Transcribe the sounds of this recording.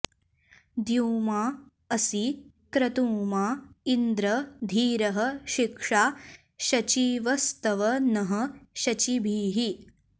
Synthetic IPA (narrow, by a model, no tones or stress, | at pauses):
d̪juːmaː | ɐsi | kɾɐt̪uːmaːind̪ɾɐd̪ʱiːɾɐɦɐ̆ʃikʂaː | ʃɐt͡ʃiʋɐst̪ɐʋɐnɐɦɐʃɐt͡ʃibʱiːɦi